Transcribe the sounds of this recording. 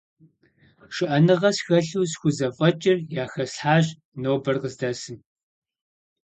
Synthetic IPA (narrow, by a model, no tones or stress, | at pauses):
ʃɨʔɐnɨʁɐsxɐɬuwsxʷʊzɐfʼɐt͡ʃʼɪrjaːxɐsħaːʑ | noːbɐrqəzdɐsɨn